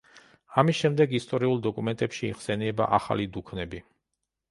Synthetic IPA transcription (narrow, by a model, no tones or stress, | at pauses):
amisʃɛmd̪ɛɡist̪ʼɔɾiulˠd̪ɔkʼumɛnt̪ʼɛpʃiːχsɛniɛba̰ʔa̰χa̰lid̪ukʰnɛbi